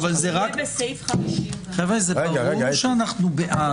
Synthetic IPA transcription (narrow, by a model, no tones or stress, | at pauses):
valzeʁakjfamiʃχevʁezeuʃeanaχnubeʔa